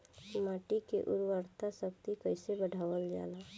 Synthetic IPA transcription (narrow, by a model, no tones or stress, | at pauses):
maːʈikḛʔʊ̰ɾʋəɾt̪ʰasəkt̪ikəɪsebəɽʱaːʋəld͡ʒa̰ːla